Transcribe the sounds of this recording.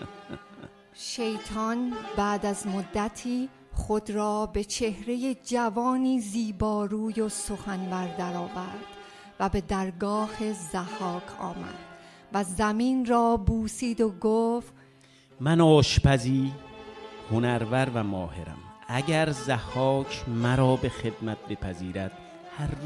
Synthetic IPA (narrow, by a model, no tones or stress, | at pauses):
ʃe̞jt̪ʰɒnbæːd̪æzmod̪ːæt̪ʰiː | χo̞d̪ɾɒːbe̞t͡ʃʰe̞hɾe̞je̞d͡ʒævɒːniːziːbɒːɾuːjo̞so̞xænbæɾd̪æɾɒːvæɾd̪̥ | væbe̞d̪æɾɡɒːhezæhɒːkʰɒ̰ːmæ̰d̪̥ | væzæmiːnrɒːbuːsiːd̪oɡoːft̪ | mænɒːʃpæziː | honæɾvæɾvæmɒːhḛɾæ̰mæɟæɾzæhɒːkʰmæɾɒːbe̞xe̞d̪mæt̪̚be̞pʰæziːɾæd̪̥̚ | hæɾ